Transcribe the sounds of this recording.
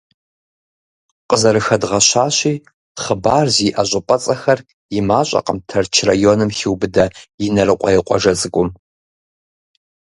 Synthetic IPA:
qəzɐɾɨxɐdʁɐɕaːɕiː | χəbaːrziʔɐɕʷʼɪpʼɐt͡sʼɐxɐr | jɪmaːɕʼɐ̰qəmtʰɐrt͡ʃʰrajoːnɨmxiwbɨdɐjɪnɐɾɨqʷʼɔjɪqʷʼɔʒɐt͡sʼɨkʷʼʊm

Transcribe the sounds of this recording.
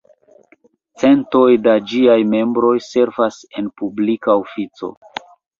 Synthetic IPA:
t͡se̞nto̞jdad͡ʒiajme̞mbɾo̞jse̞ɾvase̞npublikaofit͡so̞̰

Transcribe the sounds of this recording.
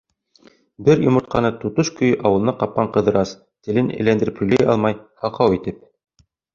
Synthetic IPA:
bɘɾjŏmɤ̆ɾt̪̚qʰɑnɤt̪ut̪oʃkɵ̆jʔɑwɤ̆lˠɤnɑqɑp̚qɑɴqɤ̆ðɤ̆ɾɑs | t̪ɘ̆lɘnɘ̰̆lænd̪ɘ̆ɾɘphɵ̆jlæjɑ̰lˠmɑjhɑqɑwit̪ɘp̚

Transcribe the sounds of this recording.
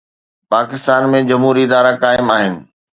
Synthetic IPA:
paːkɪst̪aːnmẽd͡ʑɐmɦuːɾiɪd̪aːɾakaːɪmaːɦɪnɪ̆

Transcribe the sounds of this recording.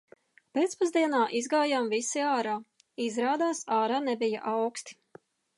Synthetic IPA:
peːt̪spazd̪iɛnaːʔizɡaːjaːmvisiaːɾaː | izɾaːd̪aːsaːɾaːnɛbija̰ʔawkst̪i̥

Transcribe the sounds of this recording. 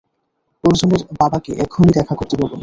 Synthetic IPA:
oɾd͡ʑoneɾbabakeʔɛk̚ɡʰʱumid̪ɛkʰakoɾt̪ebʱɔbon

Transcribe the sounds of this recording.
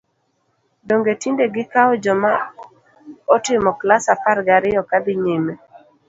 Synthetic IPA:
doŋɡetindeɡɪkaɔd͡ʒɔma | ɔtɪmɔklasafaɾɡaɾɪjɔkad̪ɪɲime

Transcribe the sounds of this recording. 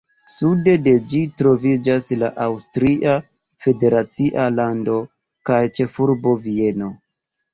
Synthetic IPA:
sude̞de̞d͡ʒitɾo̞vid͡ʒasla̰ʔawstɾiʔa | fe̞de̞ɾat͡siʔalando̞ | kajt͡ʃe̞fuɾbo̞vie̞no̞

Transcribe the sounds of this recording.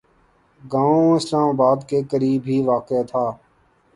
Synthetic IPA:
ɡãːõːɪslaːmaːbaːd̪keːkəɾiːbʱɦiːʋaːket̪ʰaː

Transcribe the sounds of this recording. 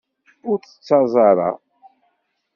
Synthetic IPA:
ʊɾθə̥t͡sːɑzˤɑɾˤɑ̰

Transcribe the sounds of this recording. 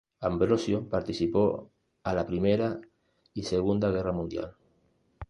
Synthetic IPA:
ambɾosjopaɾt̪iθipo | alapɾimeɾa | iseɣ̞und̪aɣeramũnd̪ja̰l

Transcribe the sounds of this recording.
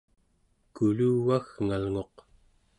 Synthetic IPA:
kuluːɣaɣŋalŋo̞q

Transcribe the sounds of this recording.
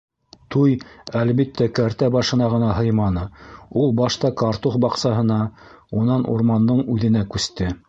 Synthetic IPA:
t̪ujælβit̪ːækæɾt̪æbɑʃɤ̆nɑʁɤ̆nɑɦɤjmɑnɤulˠbɑʃt̪ɑkɑɾt̪uχbɑqsɑɦɤ̆nɑ | unɑnʔṵɾmɑnd̪ɤɴʉðɘ̆nækʉst̪ɘ

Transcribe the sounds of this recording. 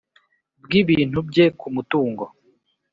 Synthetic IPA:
bɡiβiːn̥hubɟekʰumutuːŋɡo

